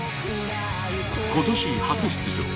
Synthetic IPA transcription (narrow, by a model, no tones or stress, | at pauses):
kʰo̞t̪oɕihat͡sɨɕi̥t͡sɨʑo̰